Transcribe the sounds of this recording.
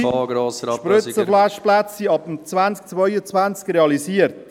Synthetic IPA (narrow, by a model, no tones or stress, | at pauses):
ɡɾoːsʃpɾʏt͡səflaʃplæt͡sːiɑpm̩t͡svant͡sk̚t͡svœʏət͡svant͡skɾeɑlisiːərt